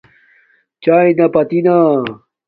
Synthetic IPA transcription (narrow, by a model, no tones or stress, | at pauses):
t͡ɕaːĩnɐpɐt̪ina